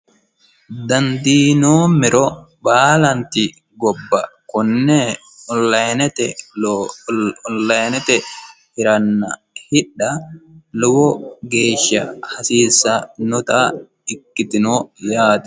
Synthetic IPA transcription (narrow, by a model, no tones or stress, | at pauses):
d̪ɐnd̪iːnoːmɪɾɔ | baːlɐnt̪ɪ | ɡɔbːɐkʊnːɛ | ɔlɐjnɛt̪ɛ | nlɐjnɛt̪ɛhɪɾɐnːɐ | hɪᶑːɐlɔwɔɡeːʃːɐhɐsiːsːɐnʊt̪a | ɪkːɪt̪ɪnoːjaːt̪